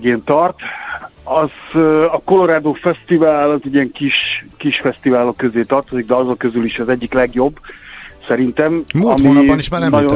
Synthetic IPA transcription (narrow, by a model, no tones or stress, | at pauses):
ɡeːnt̪ɒrt̪ | ɒzɒko̞lo̞ɾaːd̪oːfɛst̪ivaːlɒzɛɟiɛŋkiʃkiʃfɛst̪ivaːlo̞kːøzeːt̪ɒrt̪o̞ziɡ̚d̪ɛɒzokø̞zyliʃɛzɛɟːiklɛɡjo̞bːsɛɾint̪ɛmmɒmibniʃmanɒɟo